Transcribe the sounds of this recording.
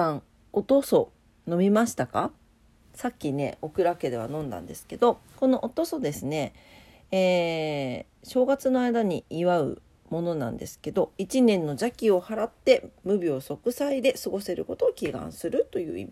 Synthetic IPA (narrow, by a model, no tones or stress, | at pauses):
ãŋ | ot̪o̞so̞ | no̞mʲimaɕi̥t̪aka | sakʲːine̞̰o̞kɯ̟ɾake̞d̪e̞βanõ̞nd̪ã̰nd̪e̞sɨ̥ke̞d̪o̞ko̞no̞ʔot̪o̞so̞d̪e̞sɨne̞ | eː | ɕo̞ːɡat͡sɨno̞aid̪aɲ̟iiβaɯ̟̰ | mo̞no̞nã̰nd̪e̞sɨ̥ke̞d̪o̞it͡ɕinẽ̞nːo̞d͡ʑakʲio̞haɾat̪ːe̞mɯ̟bʲio̞so̞kɯ̟said̪e̞sɨɡo̞se̞ɾɯ̟ko̞t̪o̞ːkʲiɡã̰ɰ̃sɨɾɯ̟t̪o̞jɯ̟̰ːḭmʲi